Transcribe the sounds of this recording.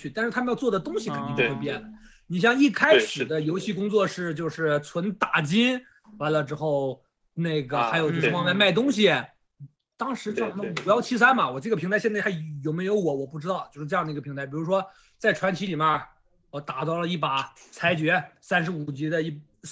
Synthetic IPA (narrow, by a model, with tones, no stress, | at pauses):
y˥˩t̪a˥˧nʂɻ̩˥˩t̪ʰm˧jʊt͡swɔ˥˩d̪ə˩t̪ʊ˥ŋɕi˨kʰə˨ni˥˧˥wpjɛ˥˩nd̪ə˩ | ni˨˩ɕ̬jɑ˥˧ŋi˥˩kʰa˥ɪʂɻ̩˨˩d̪ə˦jo˧˥ʊɕi˥˩kʊ˥ŋt͡swɔ˥˧ʂɻ̩˥˧t͡ɕjo˥˧ʊʂɻ̩˥˩t͡sʰwə˧˥nt̪a˨˩t͡ɕi˥n | wa˧˥nlə˧ʈ͡ʂɻ̩˥xo˥˧ʊ | ne˥˩ɡə˩a˧˥ɪjʊt͡ɕo˥˧ʊʂ̩˥˧wɑ˥˧ŋma˥˧ma˥˩ɪt̪ʊ˥ŋɕ̬i˨ | t̪ɑ˥ŋʂɻ̩˧˥˧n˥˩˨wɔ˨˩jɑ˥˩ʊt͡ɕʰi˥s̬a˥nmɐ˨wɔ˨˩ʈ͡ʂɤ˥˩ɡəpʰŋt̪ʰɪɕɛ˥˧nt͡sa˥˩˧jo˨˩ʊme˥ɪjo˧˥ʊwɔ˨˩˥wɔ˨˩pu˥˩ʈ͡ʂɻ̩˥t̪ɑ˥˩ʊt͡ɕjo˥˧ʂɻ̩˥˧ɤ˥˧jɑ˥˩ŋd̪i˧˥ɡə˩pʰi˧˥ŋt̪ʰɪpi˨˩ɻu˧˥ʂ̬wɔ˥ | t͡sa˥˩ɪʈ͡ʂʰwa˧˥nt͡ɕʰi˧˥li˨˩mɛ˥˩ | ə˧˩t̪a˨˩t͡sɑ˥˩ʊlə˩i˥˩pa˨˩t͡sʰa˧˥ɪt͡ɕɥɛ˧˥sa˥nʂɻ̩˧˥u˨˩t͡ɕi˧˥d̪ə˧i˥˩